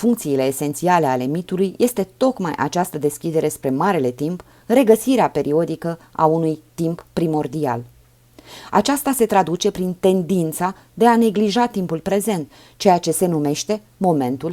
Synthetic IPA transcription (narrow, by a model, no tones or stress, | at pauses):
fuŋk̚t̪siːle̞ːse̞nt̪siale̞ale̞mit̪ulujje̞st̪e̞t̪o̞kmajʔa̰t͡ʃast̪əd̪e̞skʲid̪e̞ɾe̞spɾe̞maɾele̞t̪imp | re̞ɡəsiɾeape̞ɾʔio̞d̪ikəa̰unujt̪impːɾimo̞rd̪ia̰l | a̰t͡ʃast̪ase̞t̪ɾad̪ut͡ʃe̞pɾint̪e̞nd̪int̪sa | d̪e̞ane̞ɡliʒat̪impulpɾe̞ze̞nt̪ | t͡ʃe̞jat͡ʃe̞se̞nume̞ʃt̪e̞ | mo̞me̞nt̪ul